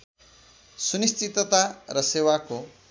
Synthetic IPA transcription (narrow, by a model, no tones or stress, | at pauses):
sunistt͡sit̪ʌt̪arʌsewako